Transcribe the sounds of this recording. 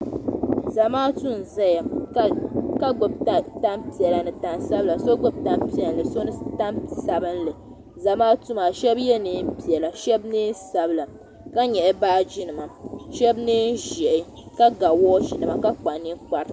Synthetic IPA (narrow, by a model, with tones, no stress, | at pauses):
za˨maː˦tu˦n˨za˦ja˨˦ | ka˦ɡo˨bta˦mpi˨ɛ˨la˨nɨ˨ta˨nsa˦bla˨so˦ɡo˦bta˦mpi˦˨ɛ˨n˨lɨ˨so˦nɨ˦ta˦msa˨bɨ˦nlɨ˨ | za˨maː˦tu˦ma˨ʃɛ˦bjɛ˦nɨ˦m̩˦pi˨ɛ˨la˨ʃɛ˦bnɨ˦nsa˨bɨ˨la˨ | ka˦ɲɛ˨ʔɛ˦baː˦˨d͡ʒi˦nɨ˨ma˨ʃɛ˦bnɨ˦n˦ʒɛ˨ʔɪ˨ | ka˦ɡa˨wɔː˦ʒi˨nɨ˨ma˨ka˦k͡pa˨ni˦k͡pa˨ɾɨ˨˦